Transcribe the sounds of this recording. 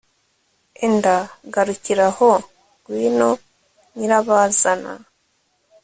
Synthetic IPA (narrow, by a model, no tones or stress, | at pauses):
endaɡaɾuciɾaho | ɡwiːno | ɲiɾaβazana̰